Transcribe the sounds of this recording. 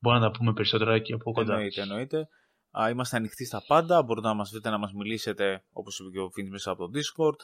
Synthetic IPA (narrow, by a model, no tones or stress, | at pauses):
boɾinɐt̪ɐpume̞pe̞ɾiso̞t̪e̞ɾɐciɐpokod̪ait̪eno̞it̪e̞ | imɐst̪eɐnixt̪ist̪ɐpɐnd̪ɐbo̞ɾit̪e̞nɐmɐzvɾit̪e̞nɐmɐzmilise̞t̪e̞o̞̰po̞sipceofinzmesɐːpo̞t̪o̞d̪isko̞ɾd̪